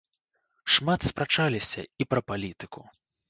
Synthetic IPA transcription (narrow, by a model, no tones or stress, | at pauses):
ʂmat̪spɾat͡ʂalʲisʲɐ̰ipɾɐpalʲit̪ɨku